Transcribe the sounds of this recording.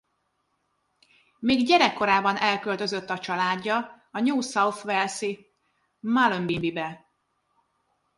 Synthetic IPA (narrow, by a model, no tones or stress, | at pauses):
miːɡɟɛɾɛkːo̞ɾaːbɒnɛlkøld̪ø̞zøt̪ːɒt͡ʃɒlaːɟːɒ | ɒɲuːsɒwt̪ʋɛlsi | malømbimbibɛ